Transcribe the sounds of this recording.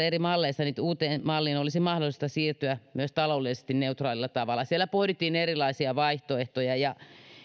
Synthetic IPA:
erimɑlːeisɑniːt̪uːt̪eːnmɑlːiːnolisimɑhdolˑist̪ɑsiːrt̪yæmyøst̪ɑloːlːˑise̥st̪inneut̪rɑːlilːɑt̪ɑʋɑlːˑɑsielːˑæpohɾit̪ːˑiːnerilˑɑisiɑʋɑiht̪oeht̪ojɑjɑ

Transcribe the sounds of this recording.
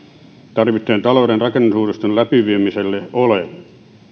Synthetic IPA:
t̪ɑrʋit̪ːˑeːnt̪ɑloudenrɑkenːusuːrest̪ollæpiʋiemiselːeole

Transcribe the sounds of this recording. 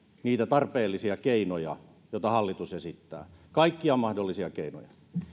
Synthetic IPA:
niːt̪æt̪ɑrpeːlːisiɑkeinojɑ̰ | jot̪ɑhɑlːit̪usesit̪ːæ̰ːkɑikːiɑmɑhdolːisiɑkeino̰jɑ

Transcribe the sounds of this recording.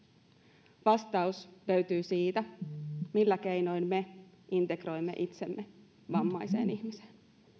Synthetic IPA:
ʋɑst̪ɑusløɥt̪yːsiːt̪æmilːæke̞jno̞jnme̞ | int̪e̞kro̞jmːe̞̰ʔit̪se̞̰mːe | ʋɑmːɑjse̞̰ːniçmiseːn

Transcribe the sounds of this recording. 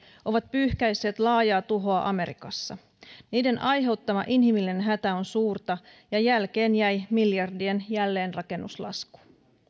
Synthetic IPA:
ʔo̞ʋɑt̪̚pyːhkæjsːe̞ːt̪lɑːjɑːt̪uɦo̞ɑʔɑme̞ɾḭkɑ̰sːɑ | niːde̞nɑjɦe̞wt̪ːɑmɑ̰ʔinɦimilinenɦæt̪æo̞nsuːrt̪ɑjɑjælk̟e̞ːnjæjmiljɑrdie̞njælːe̞ːnrɑke̞nːuslɑ̰sku̥

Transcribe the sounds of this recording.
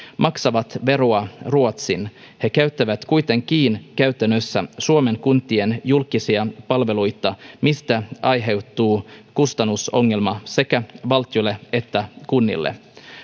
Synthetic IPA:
mɑksɑʋɑt̪ʋe̞ɾoɑruot̪sin | he̞kæɥt̪ːæʋæt̪kujt̪e̞ŋk̟iːnkæyt̪ænːøsːæ̰suome̞ŋkunt̪ːˑie̞njulkisiɑpɑlʋe̞lujt̪ɑmist̪æɑjɦe̞wt̪ːuːkust̪ɑnːuso̞ŋːe̞lmɑse̞kæʋɑlt̪ijolːee̞t̪ːækunːḭlːḛ

